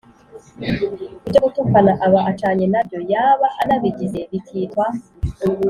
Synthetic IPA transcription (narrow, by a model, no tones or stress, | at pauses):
ubɟoɡutukanaʔaβaʔat͡ʃaːɲenabjo̞jaːβahanaβiɟizeβitʰiːtwa